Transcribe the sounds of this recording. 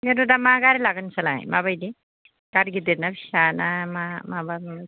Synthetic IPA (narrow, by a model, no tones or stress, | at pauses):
medɔdamaɡaɾilaɡɯnsalaj̰mabajdi | ɡ̥aɾɡidenabʰisanamamaban